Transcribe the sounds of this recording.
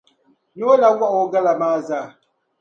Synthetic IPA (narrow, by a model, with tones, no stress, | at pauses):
no˦la˨˦wa˦ʔo˨˦ɡa˦la˨maː˦za˦˨